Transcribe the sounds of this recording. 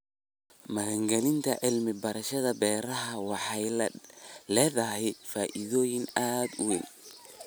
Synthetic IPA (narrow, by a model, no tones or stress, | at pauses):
mɐɣɐŋɡɐlɪnt̪ʰɐʕɪlmɪbɐɾɐʃɐðɐbɛːɾɐɦɐwɑħɑj | lɛːðɐɦɛjfaːʔiðɔːjɪŋaːd̪ʊwɛ̰ːn